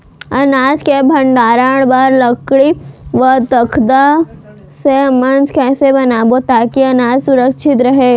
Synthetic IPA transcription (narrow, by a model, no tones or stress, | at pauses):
ɐnaːd͡ʒkebʱɐ̃ɳɖaːɾaːɽ̃baːɾlɐkɽiʋət̪əkʰd̪a | semɐ̃nd͡ʒkɛːsebɐnaːbot̪aːkiɐnaːd͡ʒsʊɾəkʃɪt̪ɾɐɦeː